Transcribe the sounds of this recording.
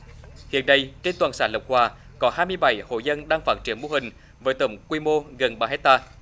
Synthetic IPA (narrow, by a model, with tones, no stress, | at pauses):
hḭ˧˨ənːa˨˧jt͡ɕe˧nt̪waː˨˩nsaː˧˩nlə˨˩wk͡p̚hwaː˨˩ | kɔ˨˦haː˧jmɨ˧əjɓa˧˩jho̰˧˨jzə˧nɗaː˧ŋfaː˦˥t̚t͡ɕi˧˩ənmu˧hï˨˩ŋ̟ | vəː˨˦jt̪ə˧˩wŋ͡mkwi˧mo˧ɣə˨˩nɓaː˧˩hɛ˦˥t̚t̪aː˧